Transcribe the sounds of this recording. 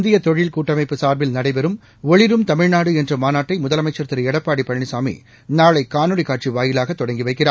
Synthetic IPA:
nd̪ɪjɐt̪ɔɻɪlkuːʈːɐmɐɪpːɯsaːɾbɪlnɐɽɐɪpɛɾɯm | ɔɻɪɾɯmt̪ɐmɪɻnaːɽɯɛndrɯmaːnaːʈːɐɪmʊðɐlɐmɐɪt͡ʃːɐɾt̪ɪɾɛɽɐpːaːɽipːɐɳɳisaːmḭ | naːɭɐɪkaːnɯɽikaːʈ̚t͡ʃiʋaːjɪlaːɣɐt̪ːɔɽɐŋɡiʋɐɪkːɪraː

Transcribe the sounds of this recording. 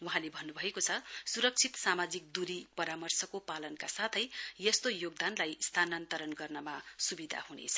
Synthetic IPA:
wuɦãlebʱʌnːubʱʌekot͡sʰʌsuɾʌk̚t͡sʰit̪samad͡zik̚d̪uɾipʌɾamʌrsʌkopalʌnkasat̪ʰʌjjʌst̪ojoɡ̚d̪anlajst̪ʰanant̪ʌɾʌnɡʌrnʌmasubid̪ʱa̰hunḛt͡sʰʌ̥

